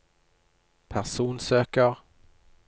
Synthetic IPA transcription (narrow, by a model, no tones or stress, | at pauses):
pʰæʁsuːnsøːkəʁ